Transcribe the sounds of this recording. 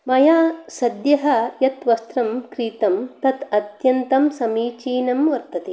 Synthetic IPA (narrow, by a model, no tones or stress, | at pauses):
mɐjaːsɐd̪jɐɦɐjɐt̪ʋɐst̪ɾɐmkɾiːt̪ɐmt̪ɐt̪ɐt̪jɐnt̪ɐmsɐmiːt͡ʃiːnɐmʋɐɾt̪ɐt̪i